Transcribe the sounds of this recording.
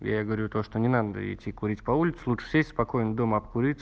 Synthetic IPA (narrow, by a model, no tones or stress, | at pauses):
ja̰jaɡəvɐɾʲut̪oʂt̪onʲɪnad̪ə̰ɪ̰tʲːikʊɾʲitʲpɐulʲɪt̪sʊlˠutʂə̥sʲesʲtʲspɐko̞jɪnd̪o̞məɐpkʊɾʲit̪ʲs